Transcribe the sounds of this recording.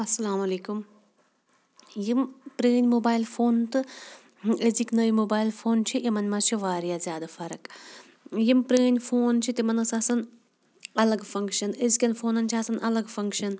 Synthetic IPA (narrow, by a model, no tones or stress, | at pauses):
ɐsɐlaːmɐleːkum | jimpɾeːnʲmoːbaːjlfʰoːnt̪ɨ | ezikʲnɐjimoːbaːjlfoːnt͡ʃʰiʔimɐnʲmat͡ʃʰiʋaːɾijazʲjaːd̪afɐɾɐk | jimpɾeːnʲfoːnt͡ʃʰit̪imɐnɐsɐsɐn | ɐlɐɡfɐŋkʃɐnezkʲɐnfoːnɐnt͡ʃʰiɐsɐnʔɐlɐɡfɐŋkʃɐn